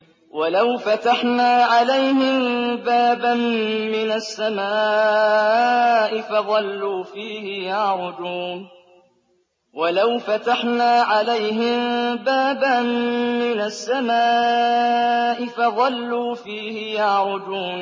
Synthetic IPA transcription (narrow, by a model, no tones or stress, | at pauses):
walawfat̪aħnaːʕalajɦɪmbaːbanmɪnasːamaː | ʔɪfɑðˤɑlːuːfiːhɪjaʕɾˤʊd͡ʒuːn | walawfat̪aħnaːʕalajɦɪmbaːbanːɪnasːamaː | ʔɪfɑðˤɑlːuːfiːhɪjaʕɾˤʊd͡ʒuːn